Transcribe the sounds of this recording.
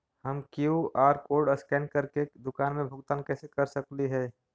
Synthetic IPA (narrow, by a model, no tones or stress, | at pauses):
həmkjuʔaːɾkoːɾɖəskɛ̃ːnkəɾked̪ʊkaːnmẽbʱʊɡt̪aːnkɛːsekɐɾsəkliɦɛː